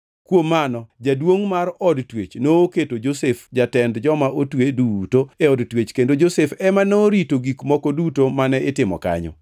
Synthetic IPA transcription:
kwomːanɔd͡ʒadwoŋmaɾɔdtwet͡ʃnoːketod͡ʒosefd͡ʒatɛndd͡ʒɔmaʔotwedutoeɔdtwet͡ʃkendod͡ʒosefɛmanoɾitoɡikmɔkɔdutomanɛʔɪtɪmɔ̰ka̰ɲɔ̰

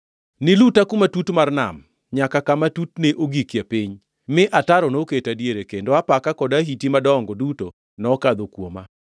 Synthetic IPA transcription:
nɪlutakumatutmarna̰m | ɲakakamatutneʔoɡikjapiɲ | mɪʔataɾɔnoketadjeɾekendoapakakɔdaɦitimadɔɔŋɡɔduto | nɔkad̪okwoma̰

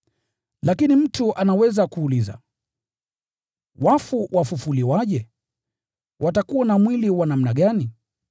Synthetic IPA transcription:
lakinim̩tuʔanawɛzakuːliza̰ | wafuwʔafufuliwaʄɛ | wʔatakuwanamwiliwanam̩naɠani

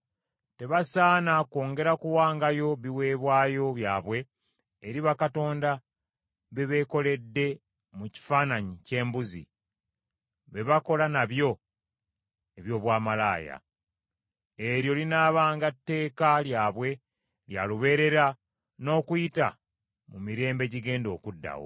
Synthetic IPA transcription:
te̞βasaːnako̞ːŋɡe̞ɾakuwaːŋɡajo̞βiwe̞ːβwaːjo̞βja̰ːβwe̞ː | ɾiβakato̞ːnda | βe̞βe̞ko̞le̞dːe̞ | muci̥faːnaɲice̞ːmbuzḭ | βe̞βako̞lanaβjo̞ | eβjo̞ːβwaːmalaːja̰ | eɾjo̞linaːβaːŋɡatːe̞ːkaljaːβwe̞ | lja̰luβe̞ɾe̞ɾa | no̞ːkujita̰ | mumiɾe̞ːmbe̞ɟiɡe̞ːndo̞ːkudːa̰wo̰

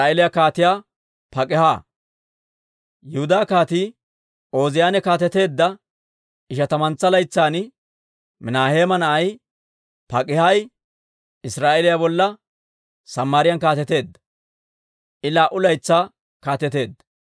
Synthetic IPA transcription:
aːelɪjakaːt̪ɪjaː | pɐkʼɪhaː | jʊhʊd̪aːkaːt̪iː | ʔo̞ːzɪjaːnɛkaːt̪ɛt̪e̞ːd̪ːɐ | ɪʃɐt̪ɐmɐnt͡sːɐlɐjt͡sːaːn | mɪnaːhe̞ːmɐnɐʔɐj | pɐkʼɪhɐj | ɪsɾaːʔɛlɪjabɔlːɐ | sɐmːaːɾɪjɐnkaːt̪ɛt̪e̞ːd̪ːɐ | ʔɪlaːʔʊlɐjt͡sːaː | kaːt̪ɛt̪e̞ːd̪ːɐ

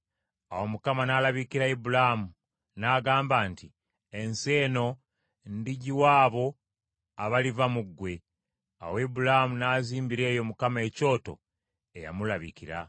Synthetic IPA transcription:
awo̞mukamanaːlaβikiɾaibulamu | naːɡaːmbaːnti | ense̞ːno̞ | ndiɟiwaːβo̞ | aβalivamuɡːwe̞ | a̰woibulamunaziːmbiɾe̞ːjo̞mukame̞ːco̞ːto̞̰ | eja̰mulaβikiɾa

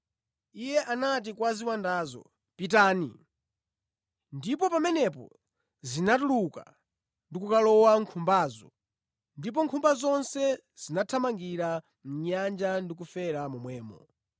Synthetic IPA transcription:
ijɛʔanat̬ikwaziwandaːzɔ̰ | pit̬aːnḭ | ndipɔpamɛnɛpɔ̰ | zinat̬uluka̰ | ndikukalɔwaŋkʰumbaːzɔ | ndip̬ɔŋkʰumbazɔnsɛ | z̥inatʰamaŋɡiɾa | m̩ɲand͡ʒandik̬ufɛɾamumwɛːmɔ̰

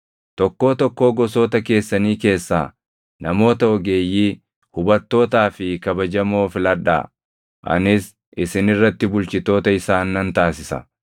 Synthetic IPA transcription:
t̪ɔkːo̞ːt̪ɔkːo̞ːɡɔso̞ːt̪ɐke̞ːsːɐniːke̞ːsːa̰ː | nɐmo̞ːt̪ɐɔɡe̞ːjːiː | hʊbɐt̪ːo̞ːt̪aːfɪkɐbɐd͡ʒɐmo̞ːfɪlɐᶑa̰ː | ʔɐ̰nɪs | ʔɪsɪnɪrːɐt̪ːɪbʊlt͡ʃɪt̪o̞ːt̪ɐɪsaːnːɐnt̪aːsɪsɐ̰

